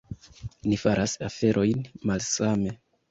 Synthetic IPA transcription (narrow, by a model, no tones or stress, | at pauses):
nifaɾʔasafe̞ɾʔo̞jnmalsame̞